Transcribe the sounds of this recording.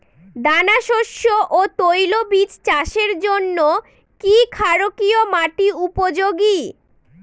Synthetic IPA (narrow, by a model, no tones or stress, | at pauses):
d̪anaʃoʃːoʔot̪ojlobit͡ɕt͡ɕaʃeɾd͡ʑonːo | kikʰaɾokiomaʈiupod͡ʑoɡi